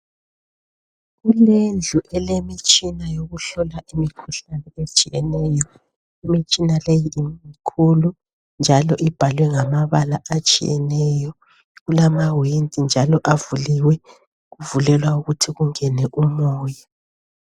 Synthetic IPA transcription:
ɣulend͡ɮʱuʔɛlemit͡ʃʼinajoɣuɬɔlaʔimikʰuɬanɛet͡ʃʼijɛnɛːjɔ | imit͡ʃʼinalejiːmikʰulu | nd͡ʒʱalɔʔib̥ʱalwɛŋamaβalaʔat͡ʃʼḭjɛ̰nɛjɔ | ɣulamawentʼind͡ʒʱalɔʔavuliwɛ | ɣuvulɛlwauɣutʰiɣuŋɛnɛʔumɔːja

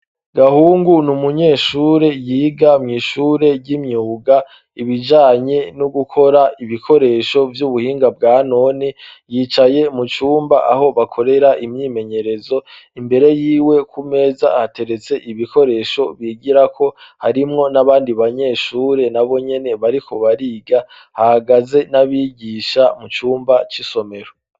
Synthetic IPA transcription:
ɡ̥ahuːŋɡunumuɲe̞ːʃuːɾe̞jiːɡamŋiːʃuːɾe̞ɟimɲuːɡa | iβid͡ʒaːɲe̞nuɡukʰo̞ɾaiβikʰo̞ɾe̞ːʃo̞vjuβuhiːŋɡab̚ɡaːno̞nijiːt͡ʃaje̞mut͡ʃuːmbaʔaho̞βakʰo̞ɾe̞ɾaʔimɲiːme̞ɲe̞ɾe̞zo̞imbe̞ɾe̞jiːwe̞kʰume̞ːza̰hate̞ɾe̞t͡se̞ʔiβikʰo̞ɾe̞ːʃo̞βiːɡiɾakʰo̞haɾimŋo̞naβaːndiβaɲe̞ːʃuːɾe̞naβo̞ɲe̞ne̞βaɾikʰo̞βaɾiːɡa | hahaɡaze̞naβiɟiʃamut͡ʃuːmbat͡ʃiso̞me̞ɾo

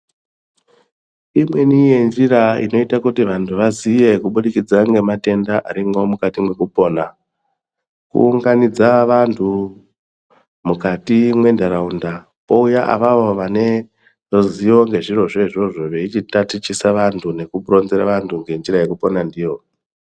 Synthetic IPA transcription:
imwe̞nije̞nd͡ʒiɾaḭno̞itakutiʋantʰuʋazije̞kuɓuɗikid͡zaŋɡe̞mate̞ndaʔaɾiŋɡomukatimwe̞kupo̞ːna | kṵːŋɡanid͡zaʋantʰu | mukatimwe̞ndaɾaunda | po̞ujaʔa̰ʋaʋoʋane̞ | roziʋo̞ŋɡe̞ʐiro̞ʐe̞iʐo̞ʐo̞ʋe̞it͡ʃitatit͡ʃisaʋantʰune̞kupro̞nzeɾaʋantʰuŋɡe̞nd͡ʒiɾajekupo̞nandiːjo

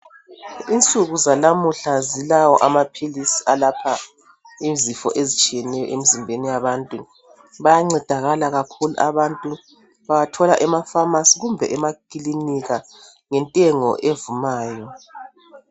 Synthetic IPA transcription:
int͡sʼuɣuzalamuɬazilawɔʔamapʰilisiʔalapʰa | izifɔ̰ʔezit͡ʃʼijɛnɛjɔ̰ʔemizimbʱenijaβantʼu | βajaŋ͡ǀɛd̥ʱaɣalaɣakʰuluʔaβantʼu | βajatʰɔlaʔɛmafamasiɣumbʱɛ̰ʔɛmakʼiliniɣa | ŋɛntʼɛŋɔ̰ʔevumaːjɔ

